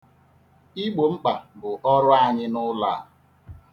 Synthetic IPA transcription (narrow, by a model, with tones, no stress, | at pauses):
i˦ɡ͡bo˨ŋ͡m̩˦k͡pa˨bʊ˨ʔɔ˦ɾʊ˦a˦ɲɪ˦nʊ˦la̰ː˦˨